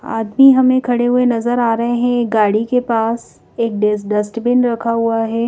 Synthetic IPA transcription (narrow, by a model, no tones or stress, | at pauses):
a̰ːd̪miɦɐmẽkʰɐɽeɦʊenɐzəɾaːɾɐɦeɦɛ̃ɡaːɽikepaːs | eːk̚ɖesɖɐsʈbɪnɾɐkʰaɦuaɦɛː